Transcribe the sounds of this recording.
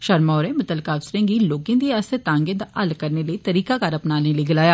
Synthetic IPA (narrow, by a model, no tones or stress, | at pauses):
ʃəɾmaːɾẽːmʊt̪əlkaːbsɾẽːɡiːloːkẽːd̪iːaːst̪eːt̪ãːŋɡẽːd̪aːʔəlkəɾneːləiːt̪əɾiːkaːkaɾəpnaːneːləiːɡɪlaːjaː